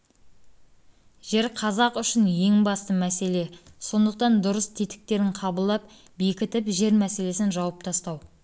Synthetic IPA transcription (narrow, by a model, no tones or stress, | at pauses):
ʒ̥e̞ɾqʰɑzɑqʏʃɪnje̞ŋbɑst̪əmæse̞le̞so̞nd̪əq̚t̪ɑnd̪ʊɾəst̪ʰet̪ɪ̥k̚t̪e̞ɾɪɴqʰɑbəlˠd̪ɑp̚ | be̞kʲɪt̪ɪpʒe̞ɾmæse̞le̞sɪnʒɑwɑp̚t̪ʰɑst̪ɑw